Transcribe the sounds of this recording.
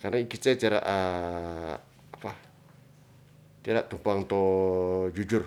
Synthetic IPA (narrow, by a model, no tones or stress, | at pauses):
karnaikisat̪aɾa̰ʔa | apa | t̪aɾaʔt̪umpaŋt̪o | d͡ʒud͡ʒʊr